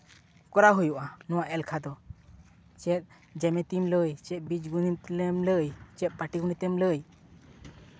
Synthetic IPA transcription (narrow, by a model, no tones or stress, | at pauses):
kɔɾaɦojuʔanɔwaʔɛlkʰad̪ɔ | t͡ʃɛt̪̚ | d͡ʒɛmɛt̪imləjt͡ʃɛʔ̪̚bit͡ʃɡunit̪lɛmləjt͡ʃɛt̪̚paʈiɡunit̪ɛmləj